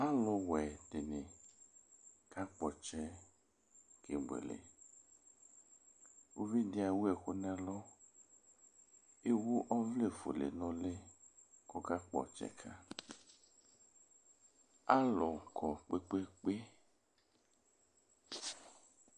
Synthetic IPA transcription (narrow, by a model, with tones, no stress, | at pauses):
a˦lɔ˧wɛ˨de˨ne˨ | ka˦k͡pɔ˨t͡ʃɛ˧ | kʰe˨ɡ͡bḛ˨lḛ˨ | o˧vi˦di˦˧a˧˨wu˦ɛ˨ko˦nɛ˦lɔ˦ | e˦wu˦ʔɔ˦vle˦˨fo̰˨lḛ˨nɔ˧˦le˦kɔ˦ka˦k͡pɔ̰˨t͡ʃɛ̰˨kʰa˦ | a˦lɔ˨kʰɔ˨k͡pe˦k͡pe˦k͡pe˦